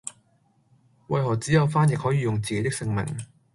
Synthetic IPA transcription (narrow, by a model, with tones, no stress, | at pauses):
wɐ˧jɦɔː˨˩t͡siː˨˦jɐ˨˧wfaː˥njɪ˨k̚hɔː˨˥jiː˨˧jʊ˨ŋt͡siː˨ke˧˦jt̪ɪ˥ksɪ˧ŋmɪ̰˨˩ŋ